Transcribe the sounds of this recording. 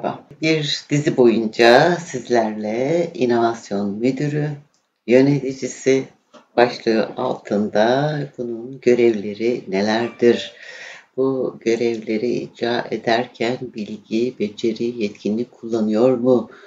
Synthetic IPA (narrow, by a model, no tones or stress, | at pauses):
ba̰biɾd̪̥izibo̞jund͡ʒasizlʲæɾlʲɛḭno̞vasjo̞nmyd̪yɾy | jø̞net̪id͡ʒisi | b̥aʃlˠɯa̰lˠt̪ʰɯnd̪abununɟø̞ɾɛvlʲe̞ɾine̞lʲæɾd̪iɾ̥b̥uɟø̞ɾɛvlʲe̞ɾiḭd͡ʒɾaːʔe̞̰d̪æɾcʰænbilʲɟibe̞d͡ʒe̞ɾijɛt̪cʰinlʲicʲkʰulˠːanɯjo̞ɾmu